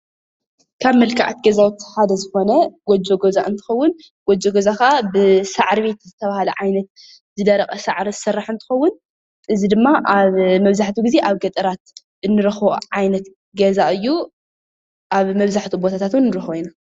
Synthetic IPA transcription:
kʰaβmɐlkʰaʕat̪ɡɐzawt̪ħad̪ɐzɨxo̞nɐɡ̥ɔd͡ʒoɡozaʔɨnt̪ʰɨ̥xɐwːʊn | ɡ̥ɔd͡ʒoɡozakaʔabɨsaʕɾβe̞t̪zɨt̪ʰɐβahalɐʕajnɐt̪̚ | zɨd̪ɐɾɐkʼɐsaʕɾizɨ̥sɐrːaħɨnt̪ʰɨ̥xɐwːʊn | ʔɨzid̪ɨmːaʔaβmɐβzaħt̪ʰuɡize̞ʔaβɡɐt̪ʼɨɾat̪ | ɨnːɨɾɐxoʕajnɐt̪ | ɡɐzaʔɨjːu | ʔaβmɐβzaħt̪ʰubo̞t̪ʰat̪ʰat̪wunːɨɾɐxojina

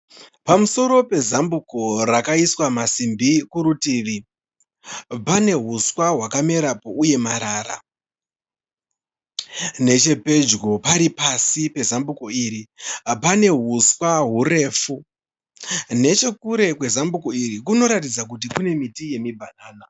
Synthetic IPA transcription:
pamuso̞ɾo̞pe̞zambuko̞rakaiswamasimbikuɾutiʋi | pane̞ɦuswaɦwakame̞ɾapo̞uje̞maɾaːɾa̰ | ne̞t͡ʃe̞pe̞d͡ʒɡopaɾipasipe̞zambukoiɾipane̞ɦuswaɦure̞ːfu | ne̞t͡ʃe̞kuɾe̞kwe̞zambukoirik̬uno̞ɾatid͡zak̬ut̬ikune̞mitije̞mibʱanaːna

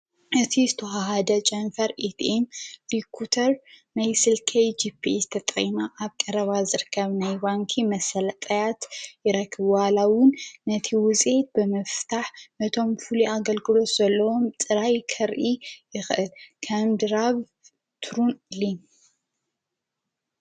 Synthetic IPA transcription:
ʔɨt̪ʰizɨt̪ʰɐɦaɦad̪ɐt͡ʃʼɐnfɐɾʔit̪emɾikʰut̪ʰɐɾnajsɨlkʰɐjd͡ʒipʰːizɨt̪ʰɐt̪ʼɐ̰jnaʔaβkʼɐɾɐβazɨɾɨkʰːɐβnajbaŋkʰimɐsɐlɐt̪ʼɐjat̪jɪɾɐkʰːɨβwalawʊnːɐt̪ʰiwʊzʼe̞t̪̚bɨmɐft̪ʰaħnɐt̪ʰo̞mfuluʔaɡɐlɡɨlo̞t̪z̥ɐlːɐwo̞mt̪ʼɨɾajkʰɐɾʔijɪxʔɨlkʰɐmd̪ɨɾaβ | t̪ʰɾunlin

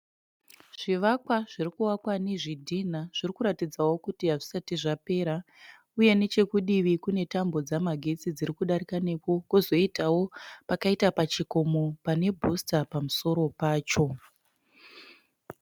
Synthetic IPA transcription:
ʐ̥iʋakwaʐirikuwakwaneʐidʱinaʐ̥irikuɾatid͡zawo̞kutiɦaʐisatiʐape̞ɾa | uje̞ne̞t͡ʃe̞kuɗiʋikune̞tambo̞d͡zamaɡʱe̞t͡sid͡ziɾikuɗaɾikane̞kokuzo̞itawo̞pakaitapat͡ʃikomopane̞bʱustapamuso̞ɾo̞paːt͡ʃo̞

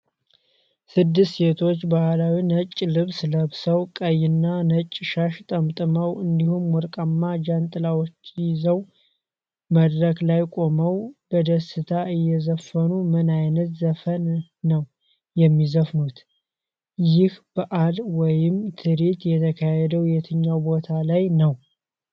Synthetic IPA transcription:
sɨd̪ːɨst̪se̞t̪ʰo̞t͡ʃːbahlawinət͡ʃʼːlɨβsləβsəwkʼəjɪnːanət͡ʃʼːʃaʃt̪ʼəmt̪ʼɨməwɨnd̪ihumwɔɾkʼamːad͡ʒant̪ʼɨlawot͡ʃːjzəw | məd̪ɾəklajkʼo̞məwb̥əd̪əsɨt̪ʰaɨjːɛzəfːənumɨnajnət̪zəfənː | əw | jɛmːizəfnut̪ | jɪhb̥əʔalwɔjɪmt̪ʰɨɾet̪jɛt̪ʰəkʰahɛd̪əwjɛt̪ʰɨɲːawbot̪ʰalajnəw

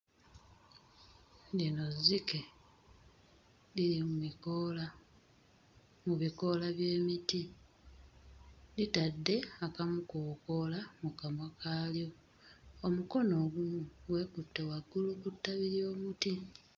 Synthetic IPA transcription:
dino̞zːike̞ | liɾimumikola | muβiko̞laβje̞ːmiti | litadːe̞akamukuko̞lamukamakʰaːljo̞ | omuko̞no̞ɡuuɡwe̞ːkutːewaɡːulukutːaβiɾjo̞ːmuti

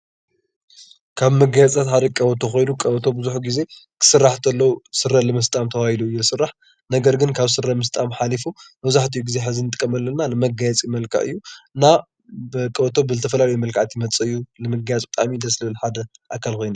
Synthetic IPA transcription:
kʰaβmɐɡajat͡s̪ʼʰat̪ħad̪ɐkʼɐwɐt̪ʰoxo̞jnukʼɐwt̪ʰo̞bɨzuħɡize̞kʰɨ̥sɨrːaħt̪ʰɐlːɐwusɨrːɐlɨmɐst̪ʼamt̪ʰɐwahiluɨjːulɨsɨrːaħ | nɐɡɐɾɡɨnkʰaβsɨrːɐmɨs̬t̪ʼamħalifumɐβzaħt̪ʰijuɡizeħɨzinɨt̪ʼɨkʼːɐmɐlːɐnalɨmɐɡajɛt͡sʼimɐlkʰa̰ʔɨjːuɨnːa | bɨkʼɐt̪ʰo̞bɨzɨt̪ʰɐfɐlalɐjmɐlkʰaʕt̪ʰijmɐt͡sʼɨɨjːulɨmɐɡajat͡sʼbɨt̪ʼa̰mid̪ɐslɨβɨlħad̪ɐʔakʰːalko̞jnu

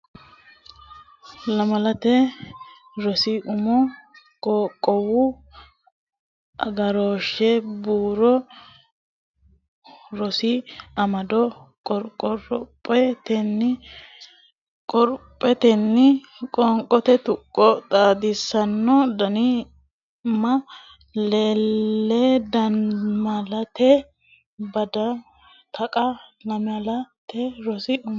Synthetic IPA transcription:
lɐmɐlɐt̪ɛ | ɾɔsɪʔʊmɔ | kʼɔːkʼːɔwʊ | ʔɐɡɐɾoːʃɛbuːɾɔ | ɾɔsɪɐmɐd̪ɔkʼɔɾkʼːɔɾɔpʼːɛt̪ɛnːɪ | kʼɔɾpʼːɛt̪ɛnːɪ | kʼɔŋkʼɔt̪ɛt̪ʊkʼːɔt̪ʼaːd̪ɪsːɐnːɔd̪ɐnɪ | mɐ | leːlːɛd̪ɐnmɐlɐt̪ɛ | bɐd̪ɐ | t̪ʰɐkʼɐlɐmɐlɐt̪ɛɾɔsɪ

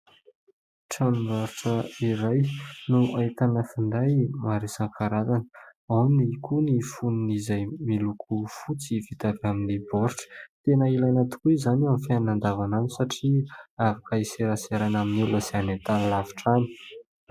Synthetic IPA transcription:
ʈ͡ʂanumaɾuʈ͡ʂəiɾajnuʔait̪anəfind̪ajmaɾesaŋkʰaɾazanəawnikʰunifuninizajmilukʰufut͡sivit̪avaminiboɾʈ͡ʂə̥t̪enəilajnat̪u̥kuizanamfannand̪avananisaʈ͡ʂiavakaiseɾaseɾanaminilasianet̪anilavi̥ʈ͡ʂani̥

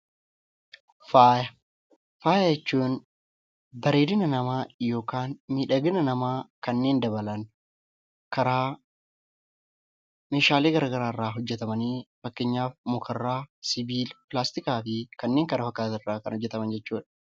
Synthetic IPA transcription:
faːjɐ | faːjɐjɛt͡ʃːuːn | bɐɾeːd̪ɪnɐnɐmaːjo̞ːkaːnmiːᶑɐɡɪnɐnɐmaːkɐnːe̞ːnd̪ɐbɐlɐn | kɐɾaː | me̞ːʃaːleːɡɐɾɐɡɐɾaːɪrːaːɦʊd͡ʒːɛt̪ɐmɐniːfɐkːeɲːaːfmʊkʰɐrːaːsɪbiːlpɪlaːst̪ɪkaːfɪkɐnːe̞ːŋkɐɾɐfɐkːaːt̪ɪrːaːkɐnhɔd͡ʒːɛt̪ɐmɐnd͡ʒɛt͡ʃːuːᶑɐ̥

